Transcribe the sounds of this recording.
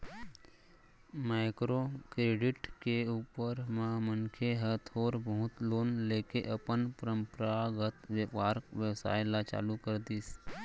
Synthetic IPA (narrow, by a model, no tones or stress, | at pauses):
maɪkɾokɾeːɖɪʈkeuːpəɾmãmənkʰeɦət̪ʰoːɾbəɦʊt̪loːnleːkeʔəpənpəɾəmpɾaɡət̪ʋjəpaːɾkʋjəwsa̰ːɪlat͡ʃa̰ːlukəɾd̪iːs